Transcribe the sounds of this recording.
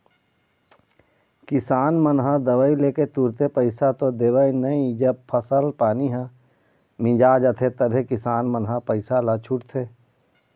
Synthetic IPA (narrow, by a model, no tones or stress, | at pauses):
kɪsaːnmənɦãd̪ɐʋəileːket̪uːɾt̪epəɪsat̪od̪eːwəinɐĩd͡ʒɐb̚pʰəsəlpaːniɦɛ̃ | mɪ̃d͡ʒaːd͡ʒət̪ʰet̪ɐbʱekɪsaːnmənɦapəɪsalat͡ʃʰʊʈt̪ʰeː